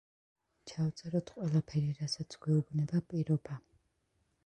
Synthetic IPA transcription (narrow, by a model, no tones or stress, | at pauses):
t͡ʃʰawt̪sʼɛɾɔt̪ʰqʼwɛlapʰɛɾiɾasat̪sʰɡ̥wɛubnɛbapʼiɾɔba